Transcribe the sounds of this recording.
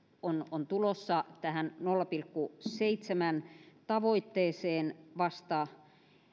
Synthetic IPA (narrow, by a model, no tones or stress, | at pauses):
onont̪ulosːɑt̪æhænnolːɑpilkːuseit̪semænt̪ɑʋoit̪ːeːseːnʋɑst̪ɑ